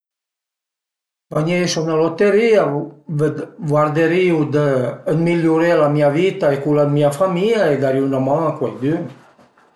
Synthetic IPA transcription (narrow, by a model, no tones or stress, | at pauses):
vaɲejsɔnalot̪eɾiavəvwaɾd̪eɾiud̪əəmiljuɾelamiavit̪aekulamiafamiaed̪aɾiunamãŋakwajd̪y